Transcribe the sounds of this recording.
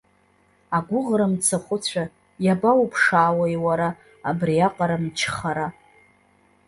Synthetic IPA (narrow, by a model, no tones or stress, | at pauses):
aɡʷʊʁɾamt͡sʰaχʷʊt͡ɕʷʰa | jabaupʰʂaːwajwaɾaː | briaqʼaɾamt͡ʃʰχaɾa